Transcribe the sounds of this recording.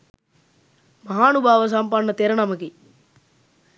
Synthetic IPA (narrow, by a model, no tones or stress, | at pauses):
mɐɦaːnubʱaːʋɐs̬ampaːnɐt̪eːɾɐnɐmɐkːi